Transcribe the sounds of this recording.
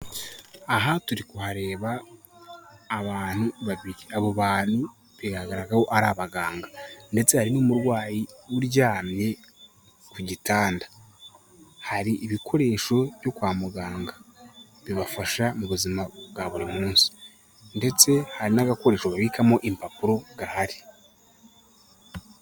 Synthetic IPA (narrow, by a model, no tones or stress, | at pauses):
aɦatuɾikuhaɾe̞ːβa | βaːn̥huβaβiɾiaβoβaːn̥hu | βiɡahaɡaɾaɡaho̞ʔaɾaːβaɡaːŋɡande̞t͡se̞haɾinumuɾwaːjiwuɾɟaːmɲe̞ | kuɟitaːnda | haɾiʔːβikʰo̞ɾe̞ʃo̞βjo̞kwaːmuɡaːŋɡa | βiβafaʃamuβuzimaɡaβuɾimuːnsi̥ | nde̞t͡se̞haɾinaɡako̞ɾe̞ːʃoβaβikamo̞ʔimpapuɾo̞ɡ̥ahaɾi̥